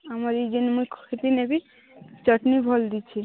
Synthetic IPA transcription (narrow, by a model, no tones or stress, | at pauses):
amaɾid͡ʒənmujkʰkʰet̪inebi | t͡ʃəʈnibʱɔld̪it͡ʃʰi